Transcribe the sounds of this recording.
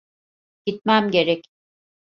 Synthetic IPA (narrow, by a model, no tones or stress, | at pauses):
ɟ̥it̪̚mæmɟe̞ɾɛc